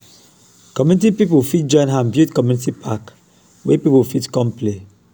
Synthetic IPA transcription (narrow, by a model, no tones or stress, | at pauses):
kɔmjunitipipufit̚d͡ʒɔ̃ɪ̃nãmbjutkɔmjunitipʰak | wepipufitkɔ̃mple